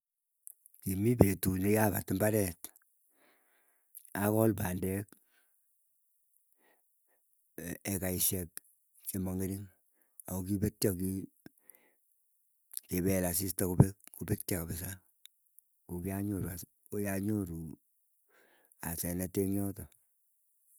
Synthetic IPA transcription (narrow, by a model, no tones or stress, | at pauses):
kimipetunijaba̰tɪmbaɾɛt | akɔlpandɛk | ekaiʃɛk̚ | kimɔŋeɾin | akokibetjak̬i | kebɛlas̬istakubek̚kubetjakabɪs̬a | kokiaɲoɾua | ojaɲoɾu | asɛnɛteŋjɔtɔ